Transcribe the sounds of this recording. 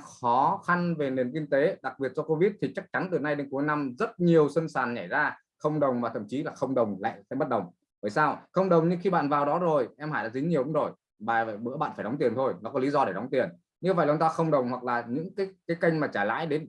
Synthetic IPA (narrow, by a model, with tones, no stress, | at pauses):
xɔ˨˦xa˧nve˨˩ne˨˩nki˧ŋt̪e˨˦ɗa˨˩k̚ɓi˨˩ət̚t͡ɕɔ˧ko˧vi˦˥t̚t̪ʰi˨˩t͡ɕa˦˥k̚t͡ɕa˨˦nt̪ɨ˨˩na˧jɗe˨˦nku˨˦jna˧mzə˦˥t̚ɲi˨˩əwsə˧nsaː˨˩nɲa˧˩jzaː˧ | xə˧wŋ͡mɗə˨˩wŋ͡mmaː˨˩t̪ʰə̰˧˩mt͡ɕi˨˦laː˨˩xə˧wŋ͡mɗə˨˩wŋ͡mla̰ː˧˨jsɛ̰˧˥mə˦˥t̚ɗə˨˩wŋ͡m | vəː˧˩jsaː˧wxə˧wŋ͡mɗə˨˩wŋ͡mɲɨ˧xi˧ɓa̰ː˧˨nvaː˨˩wɗɔ˨˦zo˨˩jʔɛ˧mhaː˧˩jɗa̰ː˧˥zi˨˦ɲi˨˩əwʔu˨˦zo˨˩j | ɓaː˨˩və̰˧˨jɓɨ̰˧˥əɓa̰ː˧˨faː˧˩ɗɔ˨˦ŋ͡mt̪i˨˩ənt̪ʰo˧jnɔ˨˦kɔ˨˦li˨˦zɔ˧ɗe˧˩ɗɔ˨˦ŋ͡mt̪i˨˩ən | ɲɨ˧və̰˧˨jlːt̪aː˧xə˧wŋ͡mɗə˨˩wŋ͡mhwa˨˩k̚laː˨˩ɲɨ̰˧˥ŋkaː˨˦jkaː˨˦jkə˧jŋ̟maː˨˩t͡ɕaː˧˩la̰ː˧˥jɗe˨˦n